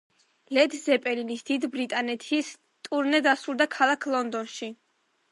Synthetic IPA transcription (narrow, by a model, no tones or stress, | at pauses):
lɛd̪zɛpʼɛlinisd̪id̪bɾit̪ʼanɛt̪ʰis | t̪ʼuɾnɛd̪asulˠd̪akʰalˠakʰlˠɔnd̪ɔnʃi